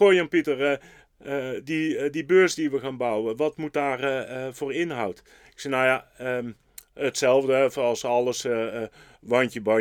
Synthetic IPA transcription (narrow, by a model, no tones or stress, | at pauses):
ojɑnpitər | didibøːsdiʋəɣaːnbʌwəʋɑtmut̚daːrv̥oːrɪnɦʌwt | ɪksɛnaja | ətsɛlˠvdəfɑlˠsɑlˠəs | ʋɑntəbɑ